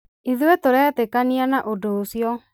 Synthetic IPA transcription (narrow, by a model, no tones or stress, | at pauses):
iðwɛtoɾɛːtekanianaʔodoːsjɔ